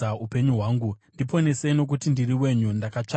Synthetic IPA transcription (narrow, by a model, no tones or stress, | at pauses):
aupe̞ɲuɦwaːŋɡundipo̞ne̞seno̞k̬utindiriwe̞ɲundakat͡ʂa